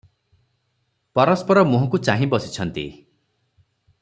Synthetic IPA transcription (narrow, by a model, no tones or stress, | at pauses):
pɔɾɔspɔɾɔmũɦɔ̃kut͡ʃaɦĩbɔsi̥t͡ʃʰɔnt̪ḭ